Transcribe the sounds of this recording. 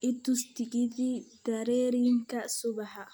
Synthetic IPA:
ʔɪt̪ʊst̪ɪɡɪðiːd̪̥ɐɾɛːɾɪŋkʰɐsʊbɑħɐ

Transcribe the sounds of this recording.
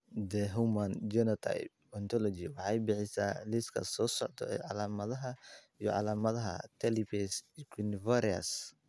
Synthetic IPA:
d̪ɛɦumɐnd͡ʒɛnɔt̪ʰa̰jp̚ | ɔnt̪ʰɔlɔt͡ʃiwɑħɑjbɪħɪsa̰ːlɪskʰɐ̰sɔːsɔʕt̪ʰɔ̰ɛʕɑlaːmɐðɐɦɐijɔʕɑ̰laːmɐðɐɦɐ̰t̪ʰɛlibʰɛskʰinvaɾiɐ̰s

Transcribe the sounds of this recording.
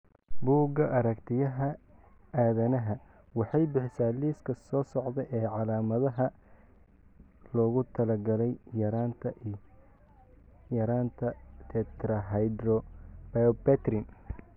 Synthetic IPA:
buːɡɐʔɐɾɐkt̪ʰɪjɐɦɐ | aːðɐnɐɦɐ | wɑħɑjbɪħɪsaːliːskʰɐsɔːsɔʕd̪ɛjʔɛːʕɑlaːmɐðɐɦɐ | lɔːɣʊt̪ʰɐlɐɡɐlɛjjɐɾaːnt̪ʰɐ | jɐɾaːnt̪ʰɐt̪ʰɛt̪ɾɐɦajd̪ɾɔb̥aɔbɛt̪ɾɪn

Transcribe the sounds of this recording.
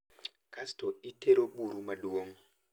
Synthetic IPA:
kʰastʰɔitʰeɾoɓuɾumaɗuoŋ̩

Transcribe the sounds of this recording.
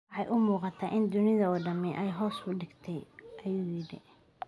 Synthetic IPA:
ħɑjʔʊmuːqɑt̪ʰɐʔɪnd̪ʊnɪðɐɔːɖɐmɛʔɛjɦɔːsbʊɖɪɡt̪ʰɛjʔɐjʊːʊjɪɽɪ̰

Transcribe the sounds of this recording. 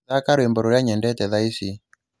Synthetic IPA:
akaɾwembɔɾuɾjaɲɛndɛtɛðaisi

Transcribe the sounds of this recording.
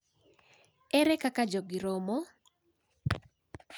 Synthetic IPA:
ɛɾɛkakad͡ʒoɡiɾomɔ

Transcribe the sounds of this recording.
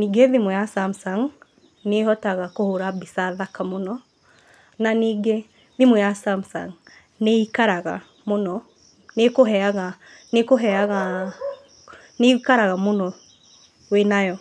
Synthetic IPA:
niɡeðimujasamsaŋ | neɦɔtaɣakohoɾabisaðakamonɔ | naniɡe | ðimujasamsa̰ŋ | neikaɾaɣa̰ | monɔ | nekoɦɛaɣa | nekoɦɛaɣa | nekaɾaɣamonɔ | wenajɔ

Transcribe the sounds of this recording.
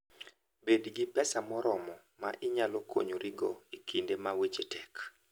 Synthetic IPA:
bedɡipɛsamɔɾɔmɔ | maʔɪɲalɔkʰo̰ɲoɾiɡɔikindemawet͡ʃetʰɛk

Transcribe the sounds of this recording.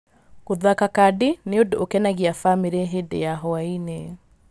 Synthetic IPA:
koðakakadineodookɛnaɣiafameɾeɦedḛjaɦɔaine

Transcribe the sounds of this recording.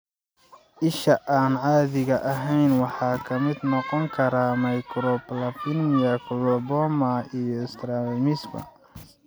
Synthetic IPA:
ʔɪʃɐʔaːnʕɑːðɪɣɐʔɐɦɛjnwɑħɑːkʰɐmɪd̪nɔqɔŋkʰɐɾamɐjkɾɔpɐlɐfɪnmɪɐkʰlɔbɔmɐijɔɪst̪ɾalmɪsbɐ̰

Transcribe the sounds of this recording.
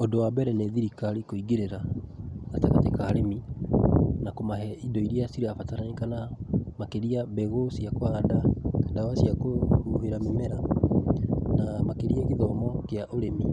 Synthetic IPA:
odowabɛɾɛneðiɾikalikoiɣeɾeɾa | atakatekaaɾemi | nakomaɦɛidɔiɾiasiɾeafataɾanekanamakeɾiabɛɣosiakoadaadawasiakohuheɾamemɛɾa | namakeɾiaɣeðɔmɔkeaʔoɾemi

